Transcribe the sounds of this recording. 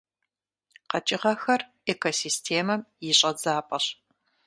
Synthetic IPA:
qɐt͡ʃʼɪʁɐxɐr | ekʰosiːstʰeːmɐmjɪɕʼɐd͡zaːpʼɐɕ

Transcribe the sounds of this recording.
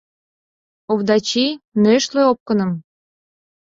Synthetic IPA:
ovd̪ɑt͡ɕinøʃleop̚kə̆nə̆m

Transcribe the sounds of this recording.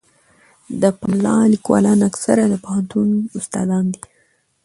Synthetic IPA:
d̪əpalɑlikwɑ̰lɑnaksaɾad̪əpahant̪unʊst̪ɑ̰d̪ɑnd̪i

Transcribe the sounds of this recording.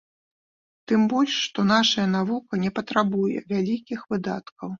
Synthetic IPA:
t̪ɨmbɔlʲʂːt̪ɔn̪aʂɐjɐn̪avukɐnʲɛpɐt̪ɾabujɛ̰vʲalʲikʲixvɨd̪a̰t̪kɐw

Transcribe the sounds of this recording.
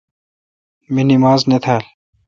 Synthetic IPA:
minimaːznet̪ʰaːl

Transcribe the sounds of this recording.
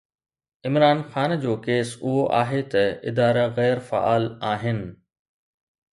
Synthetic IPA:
ɪmɾaːnxaːnd͡ʑoːkeːsʊɦoʔaːɦet̪ɐɪ̰d̪aːɾaɣɛːɾfa̰ʔa̰ːlaːɦɪnɪ̆

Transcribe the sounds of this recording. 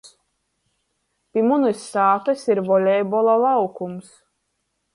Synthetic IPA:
pʲimunɨsːaːt̪ɨsʲiɾvɔlʲɛjbɔlˠalˠawkums

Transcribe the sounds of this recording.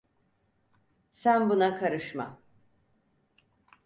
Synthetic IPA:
sænbunakʰaɾɯʃma̰

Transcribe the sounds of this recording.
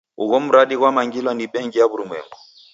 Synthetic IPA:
ṵɣɔmuɾaɗiɣwamaŋɡilwaniɓɛŋɡijaβuɾumwɛ̰ŋbɔ

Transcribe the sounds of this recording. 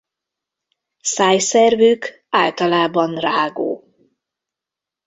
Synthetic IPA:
saːjsɛrvyk | a̰ːlt̪ɒlaːbɒnraːɡo̰ː

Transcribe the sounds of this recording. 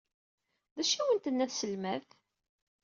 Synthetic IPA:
ðæʃæwənt̪ənːæθsəlmæθ

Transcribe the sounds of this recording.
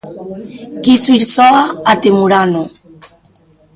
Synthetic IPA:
kisuiɾsoaat̪emuɾano

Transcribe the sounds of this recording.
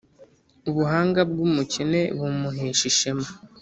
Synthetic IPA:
uβuɦaːŋɡabɡumucine̞βumuɦeːʃiʃema

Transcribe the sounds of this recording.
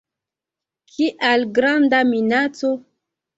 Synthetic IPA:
kʰiʔalɡɾandaminat͡so

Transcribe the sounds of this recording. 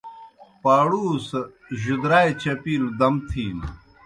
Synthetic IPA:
paːɽuːs | ʑud̪ɾaːet͡ɕɐpiːld̪ɐmt̪ʰiːn

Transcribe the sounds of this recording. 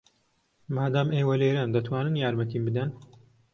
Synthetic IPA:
maːd̪aːmeːwɐleːɾand̪ɐt̪ʰwaːnɨnjaːɾmɐt̪iːmbɨd̪ɐn

